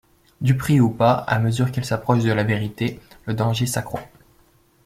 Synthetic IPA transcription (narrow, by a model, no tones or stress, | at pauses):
d̪ypχiupaa̰məzyʁkilsapχɔʃd̪əlaveʁit̪e | ləd̪ɑ̃ʒesakχwa̰